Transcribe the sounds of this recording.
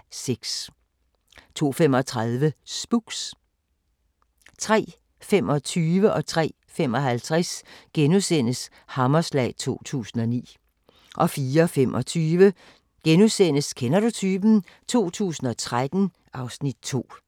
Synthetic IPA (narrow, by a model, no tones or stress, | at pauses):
seɡ̥s | t͡sʰo̝̰ːfemɒ̽t͡sʰʁaðˠʋəsb̥uɡ̥s | t͡sʰʁɛ̰ː | femɒ̽t͡sʰyːʋəʔɒ̽t͡sʰʁɛ̰ː | femɒ̽hælt͡sʰʁɛsɡ̥enusen̰əs | hɑ̈mɐslɛ̰ɪt͡sʰo̝̰ːt͡sʰṵːsn̩ɒ̽nḭː | ʔɒ̽fiːɐɒfemʔɒt͡sʰyːʋə | ɡ̥enusenəskʰenɐd̥ut͡sʰyːb̥n̩ | t͡sʰo̝̰ːt͡sʰṵːsn̩ɒ̽t͡sʰʁad̥n̩ | ʔɑ̈ʊsnid̥̚t͡sʰo̝̰ː